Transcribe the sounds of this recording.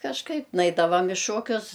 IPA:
kɐʃˈkɐɪp ˈnɐɪdɐʋɐm ɪ ˈʃoːkʲʊs

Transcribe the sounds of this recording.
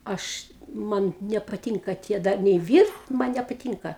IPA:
ˈɐʃ ˈmɐn nʲɛpɐˈtʲiːŋkɐ ˈtʲiɛ ˈdɐr nʲɛɪ ˈʋʲiːrt ˈmɐn nʲɛpɐˈtʲiːŋkɐ

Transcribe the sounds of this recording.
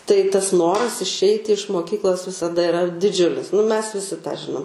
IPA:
tɐɪ tɐs ˈnoːrɐs ɪʃʲˈɛɪtʲɪ ɪʃ moːˈkʲiːklˠoːs ʋʲɪsɐˈdɐ ɪˈrɐ dʲɪˈd͡ʒʲʊlʲɪs nʊ mʲɛs ʋʲɪˈsʲɪ tɑː ˈʒʲɪnoːm

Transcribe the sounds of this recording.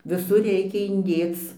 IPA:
ʋʲɪˈsʊr ˈrʲɛɪkʲɛ ɪnʲˈdʲeːt͡s

